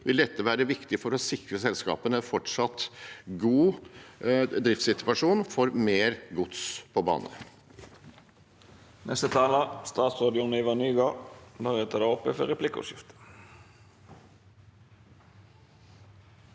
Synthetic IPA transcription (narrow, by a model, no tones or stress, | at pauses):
ʋɪld̪ɛt̪ːəʋæːɾəʋɪkt̪ɪfɔɾɔsɪkɾəsɛlskɑ̰ːpənəfɔʈʂɑt̪ːɡuː | d̪ɾɪft̪sɪt̪ʋɑʂuːnfɔɾmeːɾɡʊt̪spʰɔbɑ̰ːnə̰ | nʔɛst̪ət̪ʰɑːlɑst̪ɑːt̪sʁɑːd̪ɪʊnɪʋɑnyːɡɑnɔɾɛt̪ʰɑd̪ɑɔpːəfəɾɛpʰlɪkʊ̰ʃɪft̪ə̥